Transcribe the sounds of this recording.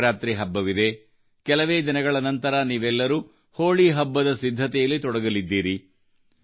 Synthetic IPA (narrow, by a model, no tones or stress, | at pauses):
ɾaːt̪ɾiɦɐbːɐʋid̪e̞ | kɛlɐʋe̞ːd͡ʒ̪ɐnɐɡɐɭɐnɐnt̪ɐɾɐniːʋɛlːɐɾuː | hoːɭiɦɐbːɐd̪ɐsid̪ʱːɐt̪ɛjɐlːit̪ɔɽɐɡɐlid̪ːiːɾi